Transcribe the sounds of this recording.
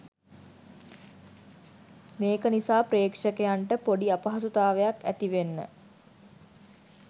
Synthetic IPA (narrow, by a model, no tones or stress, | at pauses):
meːkənisaːpɾeːkʂəkejaɳʈəpoɖiapəɦɐsut̪aːʋejakæ̰t̪iʋenːə̰